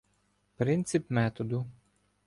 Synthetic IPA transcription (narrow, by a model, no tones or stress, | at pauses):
pɾɪnt̪sʲɪpmɛt̪ɔd̪ʊ